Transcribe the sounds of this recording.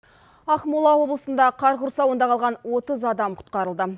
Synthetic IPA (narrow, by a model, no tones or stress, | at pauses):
ɑqmulˠɑwo̞blˠəsənd̪ɑqʰɑɾʁʊɾsɑwənd̪ɑqɑlˠʁɑnwo̞t̪əzɑd̪ɑmqʰʊ̥t̪̚qɑɾəlˠd̪ə